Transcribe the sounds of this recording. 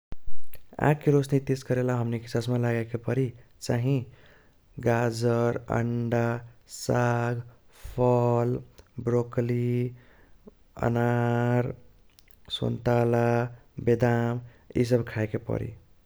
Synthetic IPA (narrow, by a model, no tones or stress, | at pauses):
a̰kːeɾosnit̪eskəɾelaɦəmniki̥sasmelaɡakepəɾi | t͡ʃaɦĩ | ɡad͡ʒəɾə̰ɳɖasaɡpʰəlbɾokli | ə̰naɾ | sə̰nt̪alabed̪am | ḭs̬əbkʰaekepə̰ɾḭ